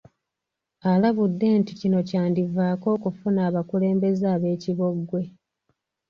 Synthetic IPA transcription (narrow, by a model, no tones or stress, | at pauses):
alaβudːe̞ːnticino̞caːndivaːko̞ːkufunaːβakule̞ːmbe̞zaːβe̞ːciβo̞ɡwe̞